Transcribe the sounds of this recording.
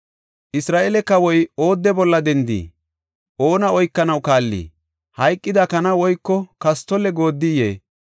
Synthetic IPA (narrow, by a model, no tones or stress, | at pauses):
ʔɪsɾaːʔelɛkːɐwɔjo̞ːd̪ːɛbɔlːɐd̪ɛnd̪ḭː | ʔo̞ːnɐɔjkːɐnɐwkaːlːḭː | hɐjkʼːɪd̪ɐkɐnɐwɔjkːɔkɐst̪ːɔlɛɡo̞ːd̪ːijeː